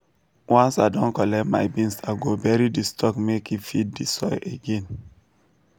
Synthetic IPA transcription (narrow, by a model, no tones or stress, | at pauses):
wãnsaɪdɔ̃nkɔlɛtma̰ɪbĩnsaɡobɛɹidistʰɔkmekifid̚disɔjʔeɡẽn